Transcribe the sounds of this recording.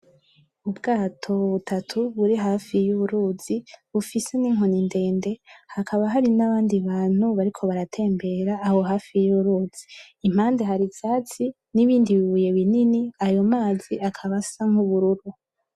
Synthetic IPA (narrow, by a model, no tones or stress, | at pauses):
ubɡaːtʰo̞βutʰatʰuβuɾiɦaːfijuβuɾuːz̥iβufise̞niŋɦo̞ninde̞ːnde̞hakʰaβaɦaɾinaβaːndiβaːn̥huβaɾikʰo̞βaɾatʰe̞ːmbe̞ɾaːho̞ɦaːfijuβuɾuːz̥iː | m̥haːnde̞ɦaɾizaːt͡si | niβiːndiβiβuje̞βininiajo̞maːziakʰaβasaŋuβuɾuɾu